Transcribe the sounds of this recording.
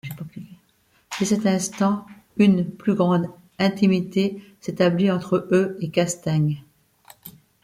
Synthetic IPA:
esɛt̪ɛ̃st̪ɑ̃ | ynplyɡʁɑ̃d̪ | ɛ̃t̪imit̪eset̪abliɑ̃t̪χəøekast̪aɲ

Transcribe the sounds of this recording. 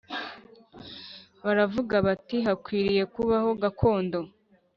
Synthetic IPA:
βaɾavuɡaβatiɦakwiːɾije̞kuβaho̞ɡakʰo̞ːndo̞

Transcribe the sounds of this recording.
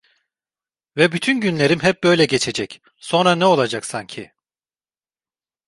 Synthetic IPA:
vɛbyt̪ʰynɟynlʲe̞ɾimɦɛp̚b̥ø̞jlʲɛɟe̞t͡ʃʰe̞d͡ʒɛc | so̞nɾanɛo̞lˠad͡ʒaksaɲcʰɪ

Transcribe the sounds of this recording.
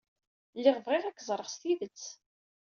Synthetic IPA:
lːɪʁvʁɪʁækːzˤɾˤəʁst̪iðət͡sː

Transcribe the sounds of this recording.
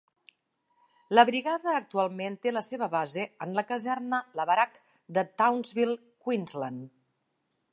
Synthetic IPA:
ləβɾiɣaðəːk̚t̪ualˠment̪eləseβəβazeənləkəzɛɾnələβəɾak | d̪ət̪awnzβilˠ | kwinzlən

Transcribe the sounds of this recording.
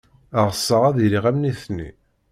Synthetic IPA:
əʁəsːəʁæðiɾiʁæmniθnḭ

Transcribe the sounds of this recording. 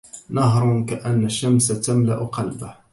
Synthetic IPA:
nɑɦɾˤkaʔanːaʃːamsat̪amlaʔʊqɑlbah

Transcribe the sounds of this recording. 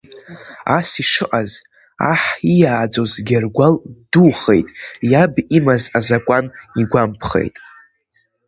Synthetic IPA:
asiʂɨʔʼaz | a̰ħijaːd͡zo̞zɡʲarɡʷalduχḛjtʼjabimazazakʷʼaniɡʷampʰχḛjtʼ

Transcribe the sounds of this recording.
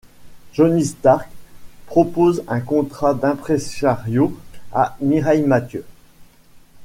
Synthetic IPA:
ʒɔnist̪aʁkpχɔpozɛ̃kɔ̃t̪χad̪ɛ̃pχeʃaʁjoa̰miʁajmat̪jø

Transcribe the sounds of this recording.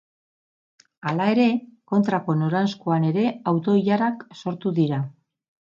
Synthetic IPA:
alae̞ɾe̞ko̞nt̪ɾako̞no̞ɾanskoane̞ɾe̞awt̪o̞iʎaɾakso̞ɾt̪uðiɾa

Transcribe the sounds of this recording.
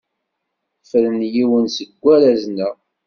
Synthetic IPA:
fəɾənjiwənsəɡʷːæɾæznæ

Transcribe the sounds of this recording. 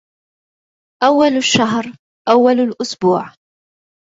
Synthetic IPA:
ʔawːalaʃːaɦɾ | ʔawːalalʔʊsbuːʕ

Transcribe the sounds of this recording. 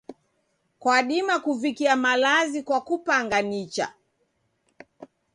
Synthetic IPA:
kwaɗimakuvikiamalazikwakupaŋɡanit͡ʃa̰

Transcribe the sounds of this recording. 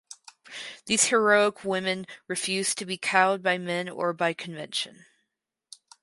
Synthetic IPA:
ðiz̥hə˞oʊəkʰwɪ̃mɨ̃nɹɨfjʉz̥tʰɨbikʰaʊd̚baɪmɛ̃nə̰˞baɪkʰɨ̃ɱvɛ̰̃nʃɨ̰̃n

